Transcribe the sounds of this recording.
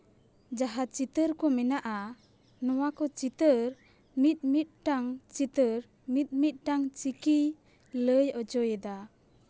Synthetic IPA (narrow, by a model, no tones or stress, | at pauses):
d͡ʒaɦat͡ʃit̪əɾkɔmɛnaʔa | nɔwakɔt͡ʃit̪əɾ | mit̪̚ˀmit̪̚ʈaŋt͡ʃit̪əɾ | mit̪̚ˀmit̪̚ˀʈaŋt͡ʃiki | ləjɔd͡ʒɔjɛd̪a